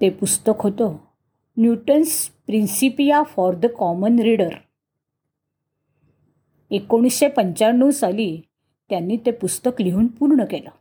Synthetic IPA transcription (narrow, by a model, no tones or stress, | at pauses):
t̪epust̪əkɦot̪o | njuʈənspɾinsipijafɔɾd̪əkɔmənɾiɽəɾ | ekoɽ̃isɕepəɲt͡ɕanːuːsali | t̪janːiːt̪epust̪əkliɦuːnpuɾɳəkela